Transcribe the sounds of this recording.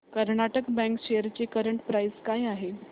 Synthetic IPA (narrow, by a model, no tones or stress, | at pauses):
kəɾɳaʈəkbɛ̃ŋkɕejəɾt͡ɕekəɾəɳʈpɾajskajaɦe